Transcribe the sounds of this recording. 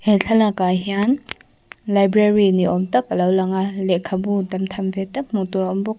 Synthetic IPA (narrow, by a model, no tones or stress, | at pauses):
heɬʰalakaɦijan | lajbɾeɾiniɔmtɐkɐlawlaŋalekʰːabudɐmtʰambetːɐk̚mutuɾɔmbɔk̚